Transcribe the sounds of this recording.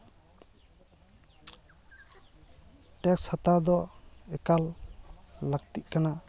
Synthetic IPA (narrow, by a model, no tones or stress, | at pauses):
ʈɛkshat̪ad̪ɔɛkalː | aɡ̚t̪iʔ̚kana